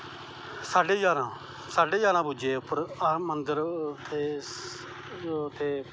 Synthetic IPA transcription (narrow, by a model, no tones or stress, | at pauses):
saːɖeːd͡ʒaːnãː | saːɖeːd͡ʒaːnãːbʊd͡ʒeːpəɾmənd̪əɾt̪ʰeː | t̪ʰeː